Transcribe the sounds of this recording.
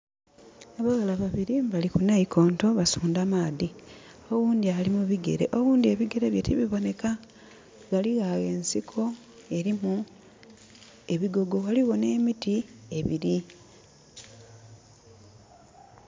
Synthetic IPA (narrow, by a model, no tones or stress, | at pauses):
aβaɣalaβaβiɾimbalikunaikʰo̞ːnto̞βasuːndamaːði | o̞ɣuːndialimuβiɡe̞̰ɾe̞̰ʔo̞ɣuːndie̞βiɡe̞ɾe̞βje̞tiβiβo̞ne̞ka | ɡaliɣaɣe̞ːnsikʰo̞ | e̞ɾimu | e̞βiɡo̞ɡo̞ɣaliɣo̞ne̞ːmitie̞βiɾi